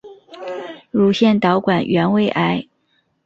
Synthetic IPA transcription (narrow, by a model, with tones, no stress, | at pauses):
ɻu˧˥ɕjɛ˥˩nt̪ɑ˧˥ʊkwa˨˩nɥɛ˧˥nwe˥˩ɪʔa˧˥ɪ